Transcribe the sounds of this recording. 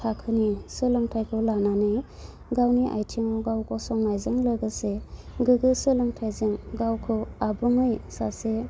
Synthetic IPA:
tʰakʰɯnisɯlɯŋtʰajkʰɯlananɯj | ɡawniʔa̰jtʰiŋɔɡawkɔsɔŋnajzɯŋlɯɡɯseɡɯɡɯsɯlɯŋtʰajzɯŋɡawkʰɯabɯŋɯjsase

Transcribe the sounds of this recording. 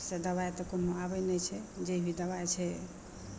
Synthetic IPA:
sed̪əβajt̪ɔkonoabəjnəjt͡ʃʰɛd͡ʒebʱid̪əβajt͡ʃʰɛ

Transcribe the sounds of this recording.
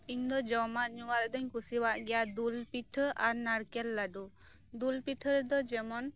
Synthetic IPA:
iɲd̪ɔd͡ʒɔmaʔɲuwaɾɛd̪ɔɲkʰusiwaʔɡɛjad̪ulpit̪ʰəʔaɾnaɽkɛlːaɖu | d̪ulpit̪ʰəɾd̪ɔd͡ʒɛmɔn

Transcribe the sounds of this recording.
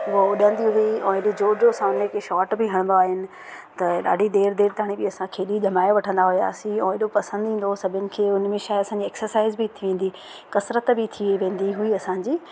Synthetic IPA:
ʋoʊɗə̃nd̪iɦuiɛ̃ːɦɪɗed͡ʑoːd͡ʑosãeːkeʃɔːʈbɪɦɐɽ̃nd̪oaːɦɪnɪ̆ | t̪ɐɗa̰ːɖʱid̪eːɾd̪eːɾt̪aɽ̃ibɪɐsãkʰeːɗiʄʱɐmaːjeʋɐʈʰə̃nd̪aɦuja̰ːsiɛ̃ːɦɪɗopɐsə̃nd̪ʱĩːn̆d̪osɐbʱʊnɪ̆kʰeːʊnmẽʃaːɪɐsãːɲd͡ʑieːksəɾsaːɪzbɪt̪ʰiʋẽːn̆d̪i | kɐsɾət̪bɪt̪ʰiʋẽːn̆d̪iɦuiɐsãɲd͡ʑiː

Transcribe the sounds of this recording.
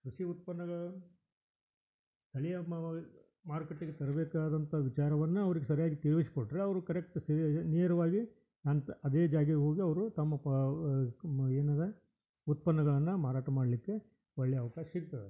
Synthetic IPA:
kɾuʂiut̪̚pɐnːɐɡɐɭ | st̪ʰɐɭijɐ | maːɾkeʈːiɡet̪ɐɾɐbɛːkaːd̪ɐnt̪ʰɐʋit͡ʃaːɾɐʋɐnːuɐʋɐɾiɡesɐɾijaːɡit̪iɾʋisi̥koʈːɾeɐʋɐɾukɐɾek̚ʈːsineːɾɐʋaːɡi | nant̪ɐd̪eːd͡ʒaːɡɦo̞ːɡiɐʋɐɾut̪ɐmːɐ | eːnɐd̪e | ut̪̚pɐnːɐɡɐɭɐnːɐmaːɾaːʈɐmaːɽlikːe̞ | ɔɭːɛjɐʋɐkaːʃɐsiɾt̪ːɐde

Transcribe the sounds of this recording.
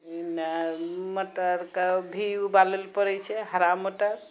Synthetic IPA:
inaməʈəɾkebʱiubaləlpəɾɛt͡ʃʰɛɦəɾamːəʈəɾ

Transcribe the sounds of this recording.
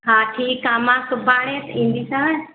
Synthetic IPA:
ɦãːʈʰiːkːaːmãːkəbaːɽ̃ẽːt̪ĩːn̆d̪iːsãː

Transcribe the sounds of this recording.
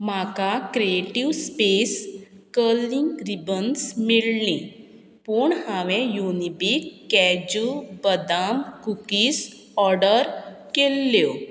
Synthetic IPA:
makakɾieʈiʋspes | kəliŋɡɾibənsmilnĩ | puɳhaʋẽjunibikːɛd͡ʑubəd̪amkukis | ɔɾɖəɾ | kelːjo

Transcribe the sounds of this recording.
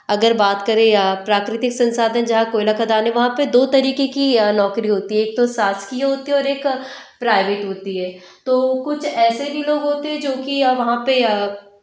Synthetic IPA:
ɐɡəɾbaːt̪kɐɾẽpɾaːkɾɪt̪ɪksɐ̃nsaːd̪ɦɛ̃nd͡ʒɐɦãkoːɪlakad̪aːnẽʋɐɦãped̪oːt̪ɐɾiːkekinɔːkɾiɦoːt̪iɦɛ̃eːk̚t̪osaːskiaɦoːt̪iɦɛɔːɾeːk | pɾaːɪʋeːʈɦoːt̪iɦɛː | t̪oːkʊt͡ʃʰɛːsebʱiloːɡɦoːt̪eɦɛ̃d͡ʒoːkiʋɐɦãpe

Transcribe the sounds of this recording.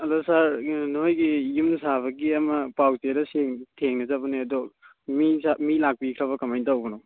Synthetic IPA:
ɐdɔsaɾnojɡijumnsaβɐɡiɐmɐpawteɾɐsiŋtʰeŋnɐzabɐneɐdɔ | misamilak̚pikʰɾaβɐkɐmajntawɡɐnɔ

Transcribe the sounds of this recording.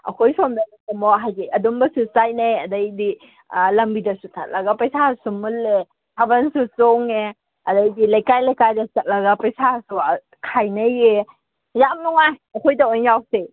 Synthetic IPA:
ɐ̰kʰojsʰomdanamɔaɦajɡeɐdumbɐsusajnajɐdɐjdi | lɐmbidɐsutʰat̚lɐɡɐpɐjsasumulːe | tʰabɐnsusoŋe | ɐdɐjdilɐjkajlɐjkajdɐsɐt̚lɐɡɐpɐjsasu | kʰajnɐje | jamnuŋajɐkʰojdɐojnawse

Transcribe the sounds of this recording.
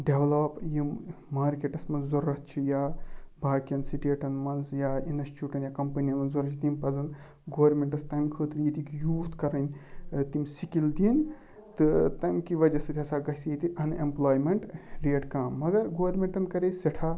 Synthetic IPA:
ɖeʋlɐpjimmaːɾkeʈɐsmɐnzɐɾɐt̪̚t͡ʃʰijaːbʱaːkijɐnsiʈeːʈɐnmɐnzjainɐst͡ʃuːʈɐnjakɐmpɐniɐmɐnzɐɾɐt͡ʃʰid̪inpɐzɐn | ɡoːɐɾmeɳʈɐst̪ɐmkʰəːt̪ɾjit̪ikjuːt̪kɐɾɐnʲt̪imsikild̪in | t̪ɨt̪ɐmkiʋɐd͡ʒɐsɨt̪ʰʲɐsaːɡɐsijet̪iʔɐnemplaːjmeɳʈɾeːʈkãːmːɐɡɐɾɡoːʋɐɾmeɳʈɐnkɐɾeseʈʰaː

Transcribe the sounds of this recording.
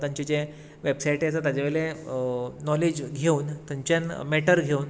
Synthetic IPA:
t̪jãɲt͡ɕid͡ʑe | ʋebsaiʈeat͡sat̪jad͡ʑeʋele | nɔled͡ʑɡʱeuːnt̪jaɲt͡ɕjanmɛʈəɾɡʱeuːn

